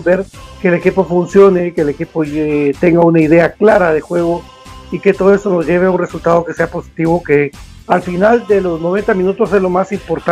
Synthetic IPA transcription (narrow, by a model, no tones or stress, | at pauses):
be̞ɾke̞le̞kipo̞funsjo̞ne̞ke̞lekipoet̪e̞ŋɡaunaiðe̞aklaɾaðe̞xwe̞ɣo̞ | ike̞t̪o̞ð̞oe̞st̪o̞no̞zʝe̞β̞eaunre̞sult̪að̞o̞ke̞se̞apo̞si̥t̪iβo̞ke | alfinald̪e̞lo̞zno̞β̞e̞nt̪amĩnut̪o̞se̞zlo̞masimpo̞ɾt̪a